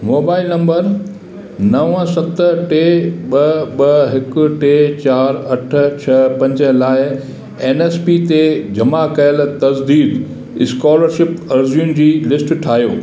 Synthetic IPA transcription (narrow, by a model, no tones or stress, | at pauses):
moːbaːɪlnɐ̃mbəɾ | nɐʋə̃sɐt̪əʈeːɓɐɓɐɦɪkʊ̆ʈeːt͡ɕaːɾɐʈʰʊ̆t͡ɕʰɐpɐ̃ɲd͡ʑə̆laːɪ | eːneːspit̪ed͡ʑɐmakɐjəl̆t̪ɐzd̪iːd̪ | ɪskɔːləɾʃɪpɐɾzijʊnɪ̆d͡ʑiːlɪsʈʈʰaːɦijo̰ː